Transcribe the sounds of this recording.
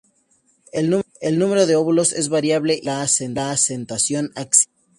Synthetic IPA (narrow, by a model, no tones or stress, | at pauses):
elnuelnume̞ɾo̞ðeoβulo̞se̞zβaɾjaβleʔlaːsenlaːsent̪asjo̞naks